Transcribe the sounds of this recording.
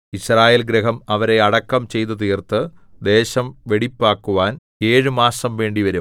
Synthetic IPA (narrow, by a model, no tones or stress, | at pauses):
iɕraːjeːlɡɾeɦɐmɐʋɐɾe̞ɐɽɐkːɐmt͡ɕe̞jt̪̬ːut̪̬iːrt̪ɨd̪e̞ːɕɐmʋe̞ɽipːaːkːuʋaːn | eːɻɨmaːsɐmʋe̞ːɳɖiʋɐɾum